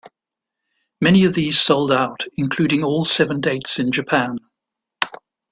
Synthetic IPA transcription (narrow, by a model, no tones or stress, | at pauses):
mɛniəvðiːz̥sʌʊlˠdaʊtɪ̃nkʰl̥ʉːɾɪ̃ŋɔːlˠsɛvə̃ndeɪtsɪ̃nd͡ʒəpʰæ̃n